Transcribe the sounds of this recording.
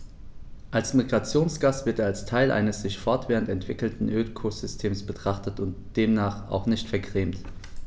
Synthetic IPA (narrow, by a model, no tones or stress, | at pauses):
ʔalsmiɡʁat͡sjoːnsɡ̥aːsv̥ɪɐteːalstʰaɪlʔa̰ɪnəsz̥ɪçfɔɐtv̥ɛːʁən̩tɛntv̥ɪkl̩tn̩ʔøːlkʰoz̥ʏstʰeːmsb̥ətʁ̥aχtətʊntd̥eːmnaːχa̰ʊxnɪçtfɛɐɡʁeːmt